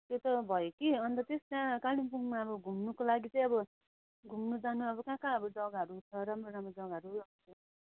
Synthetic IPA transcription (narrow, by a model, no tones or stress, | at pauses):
t̪jot̪ʌbʱʌjokiʌnt̪ʌt̪est̪ãkalinpuŋmaʌbʌɡʱumnukolaɡit͡sʌj̃ʌbʌ | ɡʱumnud͡zanuʌbʌkãkãʌbʌd͡zʌɡɦʌɾut͡sʰʌɾamroɾamrod͡zʌɡaɦʌɾuʌte